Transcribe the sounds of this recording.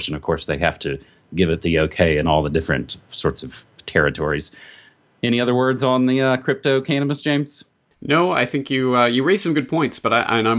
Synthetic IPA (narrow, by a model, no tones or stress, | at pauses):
ʃɨ̃nʌv̥kʰɔɹsðeɪhæ̰ftʰɨ | ɡɪvɨt̪̚ðioʊkʰeɪɨ̃nɔlˠðɨdɪfɹɨ̰̃ntsɔɹtsʌv̥tʰɛɹɨtʰɔɹiz̥ | ɛñiʌðə˞wɜ˞dzn̩ðɨʌkʰɹ̥ɪp̚toʊkʰæñɨbəsd̥ʒ̥ẽɪ̃mz̥ | noʊa̰ɪθɪ̃ŋkjɨʌjɨɹeɪz̥sʌ̃mɡʊd̚pʰɔ̃ɪ̃ntsb̥ʌɾaɪʔã̰nãɪ̃